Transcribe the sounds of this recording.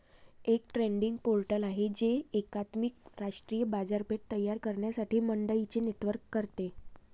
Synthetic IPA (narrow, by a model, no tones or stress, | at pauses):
ek̚ʈɾeɳɖiŋɡ̚polʈəlaɦed͡ʑeːkat̪mikɾaʂʈɾijəbad͡zaɾpeʈ̚t̪əjːaɾkəɾɳjasaʈiːməɳɖəit͡ɕeneʈʋəɾkːəɾt̪e